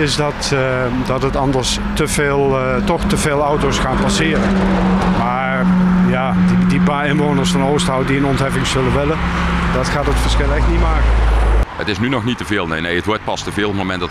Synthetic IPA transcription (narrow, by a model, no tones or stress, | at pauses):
ɪsdɑt | dɑtɦətɑndəɹs | təveːlˠ | tɔxtəveːlˠɔwtosχaːnpasɪːɾəmaːɹjaːdidipaːɪnʋownərsfɑnoːstɦɔwdiənɔntɦɛfɪŋsɵləʋɪləd̥ɑtχaːtətfəɹsxɪlˠɛxtnitmaːkəə̰tɪsnynɔxnitəveːlˠnḛjnejətʋɔɹt̚pɑstəvɪːlˠətmomɛntdt